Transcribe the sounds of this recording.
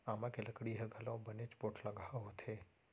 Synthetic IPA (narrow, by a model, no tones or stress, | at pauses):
amãkeləkɽiɦəɡʱalõbənet͡ʃpoʈʰləɡʱaɦot̪ʰe